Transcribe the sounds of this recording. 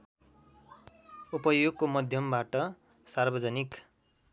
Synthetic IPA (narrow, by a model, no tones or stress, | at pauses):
upʌjoɡ̚komʌd̪ʱjʌmbaʈʌ | sarbʌd͡zʌnik